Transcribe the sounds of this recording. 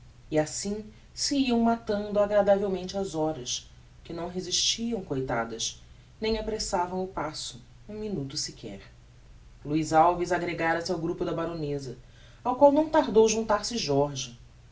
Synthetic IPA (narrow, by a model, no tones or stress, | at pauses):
ɪasĩ | sɪiɐ̃w̃mat̪ɐ̃nd̪ʊaɡɾad̪avewmẽnt͡ʃɪazɔɾɐs | kɪnɐ̃w̃ɦeziʃt͡ʃiɐ̃w̃kojt̪a̰d̪ɐs | nẽj̃apɾesavɐ̃w̃ʊpasʊ | ũminut̪ʊsɪkʰɛ̰ɾ | luizawvizaɡɾeɡaɾɐsawɡɾupʊd̪ɐbaɾonezɐ | awkwawnɐ̃w̃t̪aɾd̪owʒũnt̪aɾsɪʒɔɾʒɐ